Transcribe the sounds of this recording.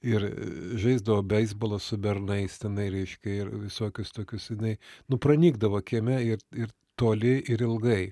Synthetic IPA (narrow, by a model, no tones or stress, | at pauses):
ɪɾ̰ʒɐɪzd̪ɐʋoːbʲɛɪzbolˠɐssʊbʲɛrnɐɪst̪ʲɛnɐɪɾʲɛɪʃʲkʲɛɪɾʋʲɪsoːkʲʊst̪oːkʲʊsjɪnɐɪnʊprɐnʲiːɡd̪ɐʋoːkʲiɛmʲɛɪrɪr | t̪oːlʲɪɪɾɪlˠɡɐɪ